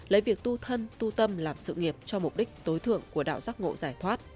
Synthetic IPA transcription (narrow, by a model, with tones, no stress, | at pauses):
ləː˨˦vi˨˩ək̚t̪u˧t̪ʰə˧nt̪u˧t̪ə˧mlaː˨˩msɨ̰˧˨ŋi˨˩əp̚t͡ɕɔ˧mʊ˨˩k͡p̚ɗï˦˥k̟̚t̪o˨˦jt̪ʰɨ̰˧˨əŋku˧˩əɗa̰ː˧˨wzaː˦˥k̚ŋo̰˧˨zaː˧˩jt̪ʰwaː˦˥t̚